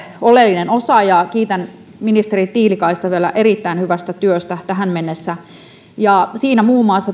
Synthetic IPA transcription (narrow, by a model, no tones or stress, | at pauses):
olelːinenosɑjɑkiːt̪æn | minist̪eɾit̪iːlikɑist̪ɑʋielæ̰ʔerit̪ːæinhyʋæst̪æt̪yøst̪æt̪æɦæmmenːesːæ | jɑsiːnæmuːmːˑɑːsːɑ